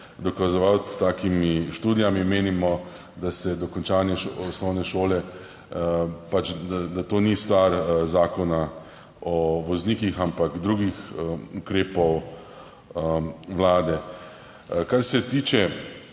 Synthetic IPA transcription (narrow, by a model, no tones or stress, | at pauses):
d̪ɔkazɔʋawt̪t̪ːaːkimiʃt̪uːd̪ijamimeːnimɔ | d̪asɛd̪ɔkɔnt͡ʃaːnjɛɔsnɔwnɛʃoːlɛ | pat͡ʃd̪ad̪at̪oːnist̪ʋaɾzaːkɔna | ɔʋɔzniːkixampakd̪ɾuːɡixukɾeːpɔw | ʋlaːd̪ɛ | kaɾsɛt̪iːt͡ʃɛ